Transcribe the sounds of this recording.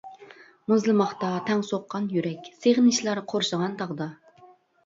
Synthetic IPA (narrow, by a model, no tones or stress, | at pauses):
muzlˠɨmɑχt̪ɑt̪ʰɛŋsoqːɑnjyɾɛkʲseʁɪnɪʃlˠɑɾqʰoɾʃəʁɑnt̪ʰɑʁd̪ɑ